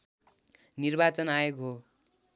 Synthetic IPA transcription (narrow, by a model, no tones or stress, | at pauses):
nirbat͡sʌnajokɦo